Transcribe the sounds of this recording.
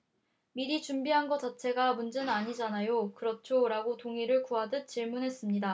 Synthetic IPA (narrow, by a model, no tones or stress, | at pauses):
miɾit͡ɕumbiɦanɡʌt͡ɕat͡ɕʰe̞ɡamund͡ʑɯnaɲid͡ʑanajokɯɾʌt͡ɕʰoɾaɡotoŋiɾɯɭkuɦadɯt̚t͡ɕiɭmunɦe̞s͈ɯmɲida